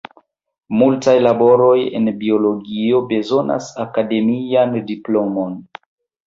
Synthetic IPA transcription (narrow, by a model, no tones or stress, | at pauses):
multajlabo̞ɾo̞je̞̰nbio̞lo̞ɡio̞be̞zo̞na̰sakade̞miandiplo̞mo̞n